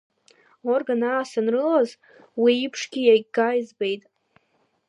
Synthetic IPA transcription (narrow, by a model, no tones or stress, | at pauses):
orɡanaːsanrɨlaz | wiːpʰʂɡʲijajɡajzbe̞jtʼ